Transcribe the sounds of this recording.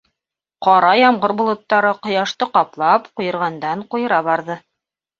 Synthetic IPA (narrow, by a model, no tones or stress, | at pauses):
qɑɾɑjɑmʁɤɾbŏlˠŏt̪ːɑɾɤqŏjɑʃt̪ɤqɑplˠɑpqŭjɤ̆ɾʁɑnd̪ɑɴqujɤ̆ɾɑβɑɾðɤ